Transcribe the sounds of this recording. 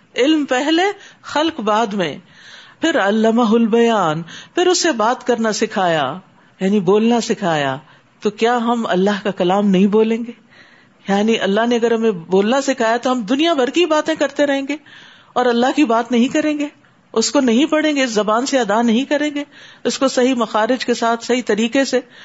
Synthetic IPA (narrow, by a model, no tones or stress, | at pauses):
ɪlmpɛɦlexɐlkbaːd̪mḛ̃ | pʰɪɾɐlːɐmaɦʊlbɐjaːnpʰɪɾʊsːebaːt̪kɐɾnasɪkʰaːja | jaːniboːlnasɪkʰaːja̰ː | t̪okjaːɦɐmɐ̰lːaɦkakɐlaːmnɐɦĩboːlẽːŋɡeː | jaːniʔɐlːaɦneɐɡəɾɦɐmẽboːlnasɪkʰaːjat̪oɦɐmd̪ʊnijabʱɐɾkibaːt̪ẽkɐɾt̪eɾɐɦẽːŋɡeː | ɔːɾɐlːaɦkibaːt̪nɐɦĩkɐɾẽːŋɡeː | ʊskonɐɦĩpɐɽẽːŋɡeɪszɐbaːnseɐd̪anɐɦĩkɐɾẽːŋɡeːʊskosɐɦimɐxaːɾɪd͡ʒkesaːt̪ʰsɐɦit̪ɐɾiːkese